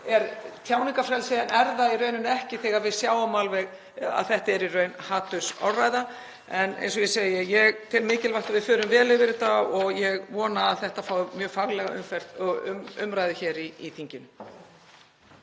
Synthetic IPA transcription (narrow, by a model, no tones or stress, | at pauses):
ɛɾt̪ʰjaːwniŋkafɾɛlsɛanɛɾðaiɾœːɥnʏnɛhcɪθɛːɣaɾvɪðsjaːwamalvɛɣ | a̰ðθɛht̪aɛɾirœːɥnhaːt̪ʏsa̰wraːjða | ɛnḛjnsɔjɛseːjɪjɛɣt̪ʰɪlmɪːcɪlvaht̪avɪðfœːɾʏmvɛːlɪvɪɾɪt̪aɔɣjɛɣvɔːnaːðθɛht̪afaːwmjœːɣfaɣlɛɣaʏ̰mfɛr̥t̪ʏmʏ̰mɾajðɪçɛːɾiḭθʰiɲcɪnʏ